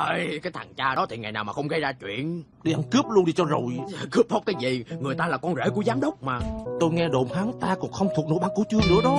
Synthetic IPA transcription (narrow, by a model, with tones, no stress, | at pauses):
ʔə˧jkaː˨˦jt̪ʰa˨˩ŋt͡ɕaː˧ɗɔ˨˦t̪ʰi˨˩ŋa̰˨˩jnaː˨˩wmaː˨˩xə˧wŋ͡mɣa˧jzaː˧t͡ɕwḭ˧˨ən | ɗi˧ʔa˧nkɨ˦˥əp̚lu˧ənɗi˧˩t͡ɕɔ˧zo˨˩jkɨ˦˥əp̚hə˦˥wk͡p̚kaː˨˦jzi˨˩ŋɨ˨˩əjt̪aː˧laː˨˩kɔ˧nzḛ˧˦ku˧˩əzaː˨˦mɗə˦˥wk͡p̚maː˨˩t̪o˧jŋɛ˧ɗo̰˧˨˩mhaː˨˦ŋt̪aː˧kʊ̰˨˥ŋ͡mxə˧wŋ͡mt̪ʰu˨˩ək̚no˧˦jɓaː˧˦ŋku˧˩˦t͡ɕɨ˧ənɨ̰˧˥əɗɔ˨˦